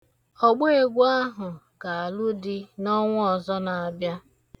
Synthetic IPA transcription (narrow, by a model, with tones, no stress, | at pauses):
ɔ˨ɡ͡be˦e˦˨ɡʷu˦a˦ɦʊ˨ | ka˨a˨lu˦dɪ˦nɔ˦ŋʷʊ˦ɔ˨zɔ˦na˨a˨bja˦